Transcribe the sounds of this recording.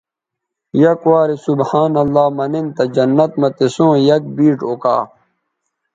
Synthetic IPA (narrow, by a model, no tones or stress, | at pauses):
jɐkwaːɾisubhaːnɐlːaːmɐnint̪ɐd͡ʑɐnːɐt̪mɐt̪esõːjɐk̚biːʈoka̰ː